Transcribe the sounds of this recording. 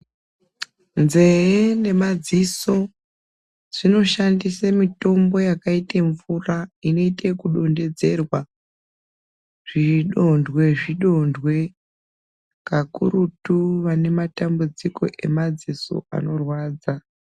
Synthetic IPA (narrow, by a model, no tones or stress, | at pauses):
nze̞ene̞mad͡ziso̞ | ʐ̥ino̞ʃandisemito̞mbo̞jakaiteɱvuraino̞itekuɗo̞nde̞d͡ze̞rwa | ʐ̥iɗo̞ndwe̞ʐiɗo̞ndwe̞ | kakṵrutuʋane̞matambud͡ziko̞̰ʔe̞̰mad͡ziso̰a̰no̞rwaːd͡za